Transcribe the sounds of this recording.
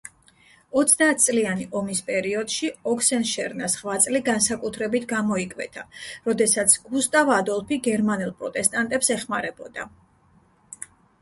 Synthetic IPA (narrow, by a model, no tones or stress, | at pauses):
ɔt̪sʰd̪aːt̪̚ʰt̪sʼlianiʔɔmispʼɛɾiɔd̪̥ʃiɔkʰsɛnʃɛɾnasʁvat̪sʼliɡansakʼut̪ʰɾɛbit̪ʰɡamɔikʼvɛ̰t̪ʰaɾɔd̪ɛsat̪sʰɡ̥ust̪ʼavad̪ɔlˠpʰiɡɛɾmanɛlˠpʼɾɔt̪ʼɛst̪ʼant̪ʼɛpsɛχmaɾɛbɔ̰d̪a̰